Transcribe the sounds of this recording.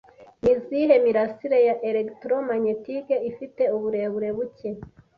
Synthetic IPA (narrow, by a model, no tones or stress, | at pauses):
niziːɦe̞miɾasiɾejaʔeɾektɾomaɲetiɡeifite̞uβuɾe̞βuɾe̞βuce̞